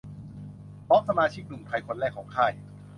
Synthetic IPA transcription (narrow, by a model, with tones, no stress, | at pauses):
bɔ˦˥k̚sa˧maː˧t͡ɕʰi˦˥k̚nu˨˩mt̪ʰa˧jkʰo˧nɾɛː˥˩kʰːɔː˩˦ŋkʰaː˥˩j